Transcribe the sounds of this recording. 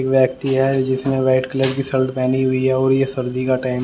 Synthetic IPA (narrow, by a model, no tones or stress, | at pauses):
kʋjɛːkt̪iɦɛd͡ʒɪsmẽʋaːɪʈklebkisɐlʈpɛːniɦʊiɦɛɔːɾjesɐɾd̪ikaʈaːɪm